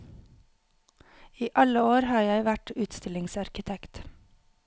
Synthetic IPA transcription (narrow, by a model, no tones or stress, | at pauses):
iːʔɑləoːɾhɑːjæɪʋæʈʉːt̪st̪ɪlɪŋsɑɾkɪt̪ʰɛkt̪